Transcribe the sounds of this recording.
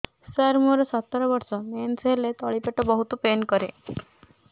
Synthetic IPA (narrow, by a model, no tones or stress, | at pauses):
saɾmuɾɔsɔt̪ːɔɾɔbɔɾsɔmenseɦlet̪ɔɭipeʈɔbɔɦut̪upenkɔɾḛ